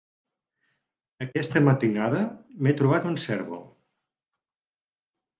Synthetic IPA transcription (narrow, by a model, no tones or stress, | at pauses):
əkɛst̪əmət̪inaðəmet̪ɾuβ̞at̪unsɛɾβo̰